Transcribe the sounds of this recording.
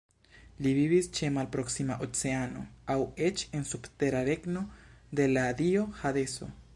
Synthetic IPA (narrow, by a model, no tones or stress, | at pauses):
liβiβist͡ʃemalpɾoksimaʔot͡seano̰awet͡ʃensupt̪eɾaɾeknod̪elad̪ioxaðeso̰